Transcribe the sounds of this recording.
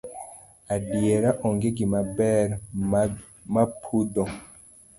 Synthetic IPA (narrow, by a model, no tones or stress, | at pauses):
adieɾaʔɔŋɡeɡimabɛɾ | mapʰudɔ